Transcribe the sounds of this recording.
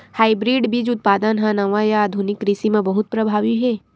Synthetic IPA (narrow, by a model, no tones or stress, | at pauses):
haːibɾiːɖbʱid͡ʒʊt̪̚paːd̪ənɦãnɐʋajaːd̪ʱunɪkɾisimẽbɐɦʊt̪̚pɾɐbʱaːʋiɦɛ